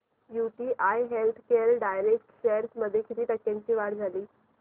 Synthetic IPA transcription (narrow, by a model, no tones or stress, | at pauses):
juʈiːʔajɦelt̪ʰkeɾɖajɾek̚ʈɕejəɾsməd̪ʱːjekʰit̪iːʈ̪əkːjãɲt͡ɕiːʋaɽd͡zʱaliː